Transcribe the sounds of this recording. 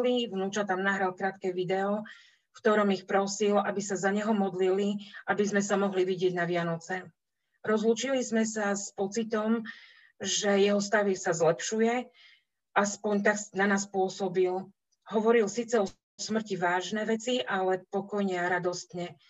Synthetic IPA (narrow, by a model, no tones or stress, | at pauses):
liʋnuːt͡ʃat̪amnaɦɾalkɾaːt̪kɛʋid̪ɛɔ | fkt̪ɔɾɔmixpɾɔsilʔabisazaɲɛɦɔmɔd̪liliabizmɛsamɔɦliʋiɟɪɛɟnaʋɪanɔt͡sɛ | ɾɔzluːt͡ʃilizmɛsaspɔt͡sit̪ɔm | ʒɛjɛɦɔst̪aʋisazlɛpʃujɛ | ʔaspɔɲt̪aknanaːspʊɔsɔbil | ɦɔʋɔɾilsiːt͡sɛɔ | smr̩ciʋaːʒnɛːʋɛt͡siʔalɛpɔkɔjɲɛaɾad̪ɔst̪ɲɛ